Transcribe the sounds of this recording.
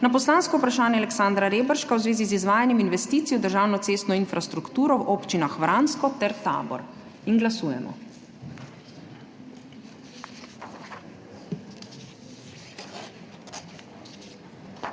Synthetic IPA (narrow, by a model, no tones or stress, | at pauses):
napɔslaːnskɔupɾaʃaːnjɛalɛksand̪ɾaɾeːbəɾʃkawzʋeːzizizʋaːjanjɛminʋɛst̪iːt̪sijɔwd̪əɾʒaːwnɔt̪seːst̪nɔinfɾast̪ɾukt̪uːɾɔwʔoːpt͡ʃinaxʋɾanskɔt̪ɛɾt̪a̰ːbɔ̰ɾ | inɡlasuːjɛ̰mɔ̰